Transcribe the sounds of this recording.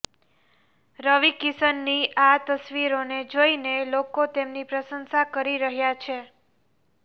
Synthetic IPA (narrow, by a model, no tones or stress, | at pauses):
ɾəʋikisənːiʔat̪əsʋiɾoned͡ʒoinelokot̪emnipɾəsənsakəɾiɾəɦjat͡ʃʰe